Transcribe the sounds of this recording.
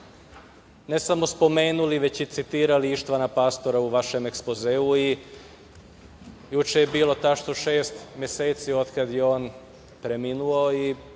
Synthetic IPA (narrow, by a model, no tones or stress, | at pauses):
ne̞samo̞spo̞me̞ːnuliʋet͡ɕit̪sit̪iːɾaliiʃt̪ʋanapaːst̪o̞ɾauʋaʃe̞mekspozeːui | jut͡ʃejebiːlo̞t̪aʃt̪oʃe̞ːst̪mje̞seːt̪sio̞d̪kad̪jeo̞ːn | pɾeminuoi